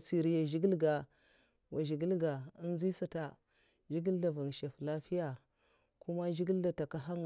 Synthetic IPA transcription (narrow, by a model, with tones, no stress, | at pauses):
si˨ɾi˦ja˨ʒi˦ɡi˦lɡa˨ | wa˨ʒi˨ɡi˦lɡa˨i˦n˦zi˦sa˨ta˨ | ʒi˦ɡi˦lda˨va˨ŋ˨ʃa˨fla˦fi˦ja˨ | ku˦ma˦ʒi˦ɡi˦lda˨ta˨ka˨ɦa˦ŋ˨